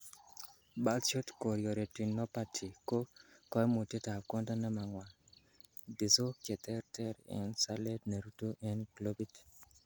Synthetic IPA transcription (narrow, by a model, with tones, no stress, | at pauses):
ba˦lt͡ʃɔ˦tko˨ɾjɔ˨ɾe˨ti˨nɔ˦pa˦tʰi˨ko˦kɔ˦mo˨te˦ta˨kɔ˦nda˦na˦ma˨ŋwa˨ | dɪ˨so˦kjɛ˨tɛ˦ɾtɛ˦ɾɛ̰˦nsa˦le˦dnɛ˨ɾu˦to˦ʔɛ˦nklo˦bi˦t